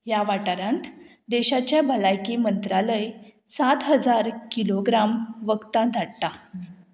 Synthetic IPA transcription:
jaʋaʈaɾãnt̪ | d̪eɕat͡ɕjabəlajkimənt̪ɾaləjsat̪ɦəd͡zaɾkiloɡɾamʋəɡt̪ad̪ʱaɽt̪a

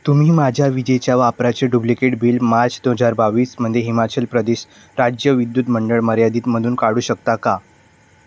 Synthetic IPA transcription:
t̪um̤iːmad͡ʑʱjaʋid͡ʑet͡ɕjaʋapɾat͡seɖublikeʈbiːlmaɾt͡sd̪oɦəd͡zaɾbaʋiːsm̤əd̪ʱjeɦimat͡ɕəlpɾəd̪eɕ | ɾad͡ʑjəʋid̪juːt̪məɳɖəɭməɾjad̪iːt̪m̤əd̪ʱuːnkaɽuːɕək̚t̪aka

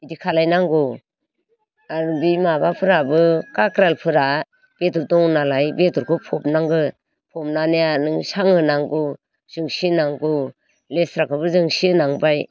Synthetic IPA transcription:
idikʰalajnaŋɡɔ | aɾbimabapʰɯɾabɯkakɾalpʰɯɾa | b̥etuɾdɔŋnalajbetɔɾkʰɔpʰɔp̚naŋɡɯ | pʰɔmnanejanɯŋsaŋɯnaŋɡo | z̥ɯŋsinaŋɡɔ | lesɾakʰɯbɯzɯŋsinaŋbaj

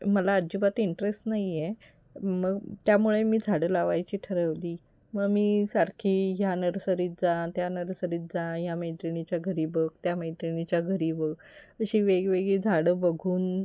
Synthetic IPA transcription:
məlaːd͡ʑibat̪iɳʈɾesʈnaiɛ | məɡt̪jamuɭemiːd͡zʱaɽəlaʋajt͡ɕiːʈʰəɾəʋd̪iː | məɡmiːsaɾkʰiːɦjanəɾsəɾiːt̪̚d͡zãt̪janəɾsəɾiːt̪̚d͡zãjameɳʈɾenit͡ɕjaɡʱəɾiːbək̚t̪jameʈ̪enit͡ɕjaɡʱəɾiːbək | əɕiːʋeɡʋeɡɭid͡zʱaɽəbəɡʱuːn

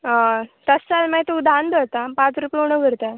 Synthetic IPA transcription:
t̪əsːalmat̪oud̪ʱand̪ət̪apãt͡sɾupjoɽ̃əɡʱəɾt̪a

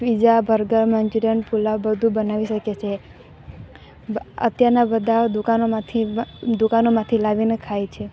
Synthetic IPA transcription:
ʋid͡ʒabʱəɾɡəɾmənd͡ʒuɾəɳpulabəd̪ʱũbənaʋiʃəket͡ʃʰe | ə̰t̪jaɾnabəd̪ʱad̪ukanomãt̪ʰid̪ukanomãt̪ʰilaʋinekʰajt͡ʃʰe

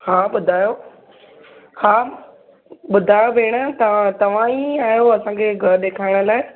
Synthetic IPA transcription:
haːɓʊd̪ʱaːjo | haː | ɓʊd̪ʱaːjobʱeːɽ̃ə̆t̪ɐãt̪ɐʋ̤ãiaːjoɐsãkʰeːɡʱɐɾɗeːkʰaːɪɽ̃ʊ̆laːɪ

